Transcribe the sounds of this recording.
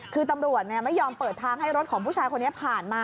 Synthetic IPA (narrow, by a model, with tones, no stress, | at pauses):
kʰɯː˧t̪a˧mɾu˨˩ət̪̚ni˥˩ɐma˥˩jːɔː˧mpəɤː˨˩t̪ʰːaː˧ŋhɦa˥˩jɾo˦˥t̪̚kʰɔː˩˦ŋpʰuː˥˩t͡ɕʰaː˧jkʰo˧nːi˦˥ɐpʰaː˨˩nmaː˧